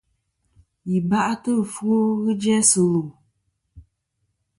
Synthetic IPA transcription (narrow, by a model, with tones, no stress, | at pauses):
ji˨ba˦ʔa˦tɨ˦˨fu˦o˦ɣɨ˦d͡ʒɛ˦sɨ˨lu˨